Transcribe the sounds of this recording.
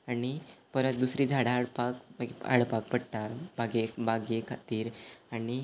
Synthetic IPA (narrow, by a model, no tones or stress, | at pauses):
aɽipəɾət̪̚d̪usɾiːd͡zʱaɽaːɽpaka̰ɽpak̚pəɽʈ̪aɾbaɡebaɡekʰat̪iːɾaɽi